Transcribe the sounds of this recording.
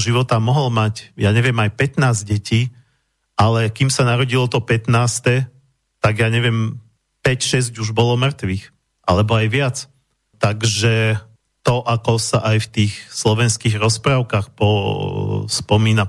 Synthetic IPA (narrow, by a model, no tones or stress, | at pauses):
ʒiʋɔt̪amɔɦɔlmacjaːɲɛʋɪjɛmajpɛt̪naːzɟɛciː | ʔalɛkimsanaɾɔɟilɔt̪ɔpɛt̪naːst̪ɛ | t̪aɡjaːɲɛʋɪɛm | pɛcʃɛzɟuʒbɔlɔmr̩t̪ʋiːx | ʔalɛbɔajʋɪat͡s | t̪aɡʒɛ | t̪ɔʔakɔsaʔajft̪iːxslɔʋɛnskiːɣɾɔspɾaːʊkaːxpɔ | spɔmiːna